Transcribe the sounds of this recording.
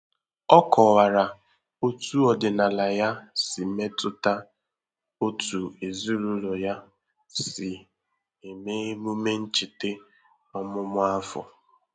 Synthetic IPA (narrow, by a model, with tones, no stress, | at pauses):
ɔ˦kʰɔ˨wa˨ɾa˨ | o˦tu˦ɔ˨dɪ˨na˨la˨ja˦sɪ˨me˦tʊ˦ta˦ | o˦tu˨e˨zi˦ɾu˦lɔ˨ja˦ | sɪ˨ | e˨me˦mu˦me˦n̩˦t͡ʃi˨te˦ | ɔ˦mʊ˦mʊ˦a˦fɔ̰˨